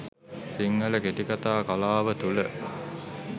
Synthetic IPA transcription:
siŋːələkeʈikat̪aːkalaːʋət̪ulə

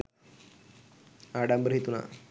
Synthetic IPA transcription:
aɽambɾəɦit̪una̰

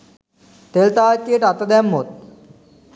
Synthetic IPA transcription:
t̪elt̪akeʈat̪əd̪jamːot̪̚

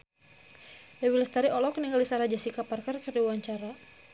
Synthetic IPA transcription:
ʔɛwiləst̪aɾiʔɔlɔkniŋɡalisaɾad͡ʒasikaparkarkəɾiwaɲt͡ʃaɾa

